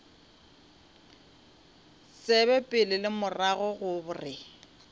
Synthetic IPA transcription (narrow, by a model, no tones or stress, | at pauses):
sɪbɛpʼɪlɪlɪmʊraɣɔɣʊbʊrɪ